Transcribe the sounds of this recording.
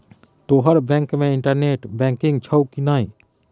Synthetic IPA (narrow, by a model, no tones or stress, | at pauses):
t̪oːɦəɾbɛ̃ːŋkmẽɪɳʈəɾneːʈbɛ̃ŋkɪŋɡ̚t͡ʃʰəwkinaːĩ